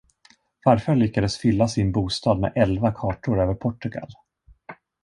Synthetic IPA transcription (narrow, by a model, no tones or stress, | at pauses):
vaɾfœɭʏkːad̪əsfʏlːasɪnbuːst̪ɑːd̪mɛ̰ʔɛlvakʰɑːʈʊɾøːvəɾpʰɔʈːɵɡa̰l